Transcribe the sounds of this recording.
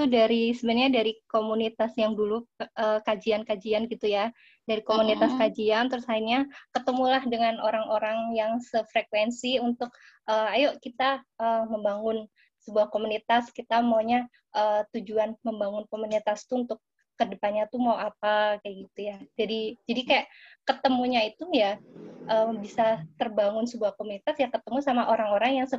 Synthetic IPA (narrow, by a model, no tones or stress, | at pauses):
t̪udaɾisəbəɲadaɾikomunit̪asjaŋduluʔəːkad͡ʒiankad͡ʒianɡit̪uja | daɾikomunit̪askad͡ʒiant̪ɾʊshainɲakət̪əmulahdəŋanoɾaŋoɾaŋjaŋsəfɾekwɛnsiunt̪ʊk̚ʔəajoʔkit̪aʔəːməmbaŋʊn | səbuahkomunit̪askit̪amaɲa | ʔəːt̪ud͡ʒuanməmbaŋʊnkomunit̪ast̪uːnt̪ʊkː | ədəpanɲat̪umawap̚akajaɡit̪ujad͡ʒadid͡ʒadikajaʔkət̪əmuɲait̪ujaʔəːbisat̪ərbaŋʊnsəbuahkomunit̪asjakət̪əmusamaʔoɾaŋoɾaŋjaŋsə